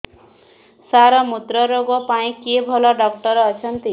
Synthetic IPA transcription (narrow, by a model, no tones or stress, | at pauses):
saɾʌmut̪ɾʌɾoɡɔpaĩkebʱɔlɔɖʌk̚ʈʌɾːt͡sʰʌnt̪i